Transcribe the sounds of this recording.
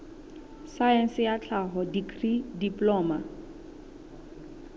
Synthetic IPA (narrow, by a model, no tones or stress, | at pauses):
saɛnsɪjat͡ɬʰaɦɔdikʰridiplɔːma